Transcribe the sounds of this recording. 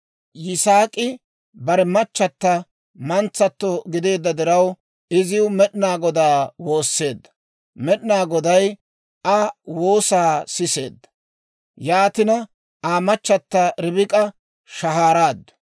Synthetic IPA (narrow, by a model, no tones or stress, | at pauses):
jɪsaːkʼɪ | bɐɾɛmɐt͡ʃːɐt̪ːɐ | mɐnt͡sːɐt̪ːɔɡɪd̪e̞ːd̪ːɐd̪ɪɾɐw | ɪzɪʊmɛɗnaːɡɔd̪aːwo̞ːsːe̞ːd̪ːɐ̥ | mɛɗnaːɡɔd̪ɐj | ʔɐwo̞ːsaːsɪse̞̰ːd̪ːɐ̥ | jaːt̪ɪnɐ | aːmɐt͡ʃːɐt̪ːɐɾɪbɪkʼɐ | ʃɐɦaːɾaːd̪ːɐ̥